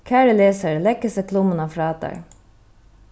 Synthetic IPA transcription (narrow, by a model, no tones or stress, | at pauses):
kʰæːɾəleːsəɹlɛkːəsəkʰlʊmənɑfɾɑːt̪ɑ̰ɹ